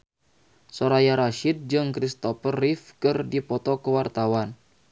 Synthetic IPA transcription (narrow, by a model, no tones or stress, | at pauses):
soɾajaɾaʃid̪̚d͡ʒɨŋkɾist̪ɔfərːifkɨrdipɔt̪ɔkəwart̪awan